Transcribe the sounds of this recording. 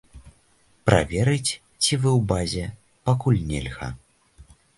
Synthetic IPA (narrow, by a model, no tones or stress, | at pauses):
pɾʔa̰vʲɛɾɨt͡sʲ | t͡sʲivɨwbazʲɛ | pakulʲnʲɛ̰lʲɣɐ̰